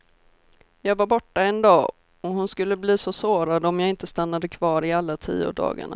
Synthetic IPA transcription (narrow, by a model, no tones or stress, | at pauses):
jɑːɡvaɾbɔʈːaɛnd̪ɑː | ɔɦʊnskɵlːəbliːsɔsoːɾad̪əɔmjaɪnt̪əst̪anːad̪əkʰvɑːɾɪalːat̪ʰḭːʊ̰d̪ɑ̰ːɡa̰ɳa̰